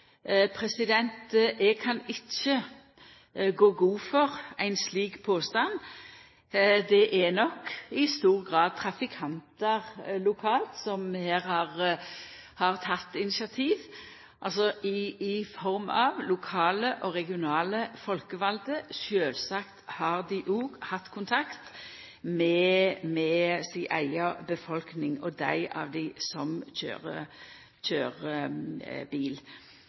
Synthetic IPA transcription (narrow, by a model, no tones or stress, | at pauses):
pʰɾɛsɪd̪ɛnt̪ʔɛɡ̚kʰɑnɪt͡ʃːə | ɡoːɡuːfɔʁæɪnsliːkpʰoːst̪ɑn | d̪ɛʔɛnɔkɪst̪uːʁɡʁɑːd̪̚t̪ʰɾɑfɪkʰɑnt̪əʁlʊkʰɑːlt̪sɔmheːʁhɑʁ | hɑʁt̪ʰɑt̪ːɪnɪsɑt̪ʰiːʋ | ʔɑlsɔʔɪːfɔʁmɑʋlʊkʰɑːləʔɔʁɛɡɪʊnɑːləfɔlkəʋɑld̪əʃøːlsɑkt̪hɑʁd̪ɪʔuːɡhɑt̪ːkʰʊnt̪ʰɑkt̪ | mɛmɛsɪʔæɪɑbəfɔlknɪŋɔd̪æɪʔɑ̰ʋd̪ɪsɔmçø̰ːʁə | çøːʁ | biːl